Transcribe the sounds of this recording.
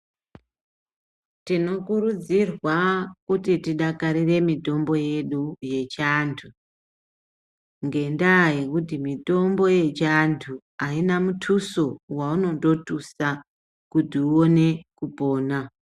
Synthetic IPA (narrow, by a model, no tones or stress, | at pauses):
tino̞kuɾud͡zirwakutitiɗakaɾire̞mito̞mbo̞je̞ɗuje̞t͡ʃantʰu | ŋɡe̞ndaːikut̬imito̞mbo̞je̞t͡ʃantʰu | ainamutʰuso̞wauno̞ndo̞tusa | kutiuo̞ne̞kupo̞ːna